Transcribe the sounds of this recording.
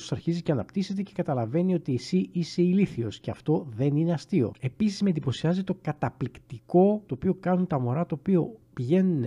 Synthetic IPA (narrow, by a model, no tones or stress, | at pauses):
o̥sɐɾçizice̞ɐnɐpt̪ise̞t̪e̞ce̞kɐt̪ɐlɐve̞nio̞t̪iːsiʔise̞iliθio̞sce̞ɐft̪o̞ðe̞nine̞ɐst̪io̞̰e̞pisizmend̪ipo̞siɐzit̪o̞kɐt̪ɐplikt̪iko̞t̪o̞ːpio̞kɐnunt̪ɐmo̞ɾɐt̪o̞ːpio̞piʝe̞nun